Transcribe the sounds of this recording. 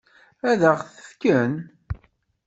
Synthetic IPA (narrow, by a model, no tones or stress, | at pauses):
æðəʁθə̥fkən